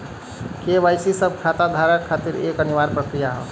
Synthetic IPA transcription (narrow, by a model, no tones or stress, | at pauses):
keʋajsisəb̚ʱkʰat̪ad̪ʱaɾəkkʰːat̪iɾekəniʋaɾpɾəkɾijaɦə̰